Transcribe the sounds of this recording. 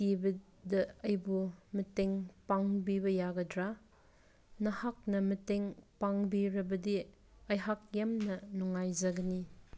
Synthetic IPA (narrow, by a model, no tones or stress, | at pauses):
kibɐ | dɐɐjbumɐteŋpaŋbibɐjaɡɐdɾa | nɐhak̚nɐmɐteŋpaŋbiɾɐbɐdi | ɐjɦak̚jamnɐnuŋːajzɐɡɐni